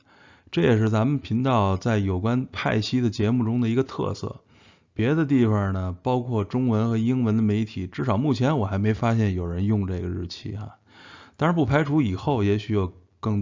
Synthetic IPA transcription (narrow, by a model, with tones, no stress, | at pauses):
ʈ͡ʂɤ˥˩jɛ˨˩ʂ̬ɻ̩˥˩t͡sa˧˥mə˨npʰi˧˥ŋt̪ɑ˥˧ʊt͡sa˥˩ɪjo˨˩ʊkwa˥npʰa˥˩ɪɕi˥d̪ə˨t͡ɕjɛ˧˥mu˥˩ʈ͡ʂʊ˥ŋd̪ə˨i˧˥ɡə˧t̪ʰɤ̰˥˧sɤ̰˥˩ | pjɛ˧˥d̪ə˧t̪̬i˥˩fə˞˨˩nə˩pɑ˥ʊkʰwɔ˥˩ʈ͡ʂʊ˥ŋwə˧˥nxɤ˧˥i˥nwə˧˥nd̪ə˧˨me˧˥ɪt̪ʰi˨˩˦ʈ͡ʂɻ̩˥˩ʂɑ˨˩ʊmu˥˩t͡ɕʰjɛ˧˥nwɔ˨˩xa˧˥ɪme˧˥ɪfa˥ɕjɛ˥˩njo˨˩ʊɻə˧˥njʊ˥˧ŋʈ͡ʂɤ˥˩ɡə˩ɻɻ̩˥˩t͡ɕʰḭ˥a̰˧ | t̪a˥˧ɻ̩˧˥pu˥˩pʰa˥ɪʈ͡ʂʰu˧˥i˨˩xo˥˩ʊjɛ˧˥ɕy˨˩jɑ˥˧ʊ | kɤ˥˩ŋ